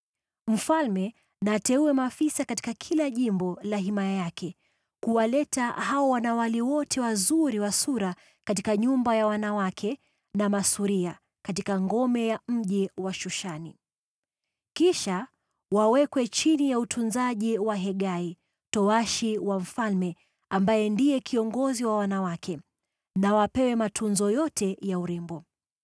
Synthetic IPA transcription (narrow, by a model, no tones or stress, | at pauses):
m̩falmɛ | natɛuwɛmafisakati̥kakʰilaʄimbɔlaɦimajajakʰɛ | kuwalɛtahaɔwanawaliwɔtʰɛwazuɾiwasuɾa | katikaɲumbajawanawakʰɛ | namasuɾia | katikaŋɡɔmɛjam̩ʄiwaʃuʃani | kiʃa | wawɛkwɛt͡ʃinijautʰunzaʄiwaɦɛɠai | tɔwaʃiwaɱ̩falmɛ | ambajɛndijɛkʰiɔŋɡɔziwawanawakʰɛ | nawapɛwɛmatʰunzɔjɔtʰɛjauɾɛmbɔ